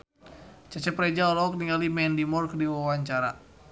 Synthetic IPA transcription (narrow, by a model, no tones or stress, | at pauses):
t͡ʃat͡ʃɛpɾɛd͡ʒaɔlɔɔk̚niŋalimɛndimɔrkdiwawaɲt͡ʃaɾa̰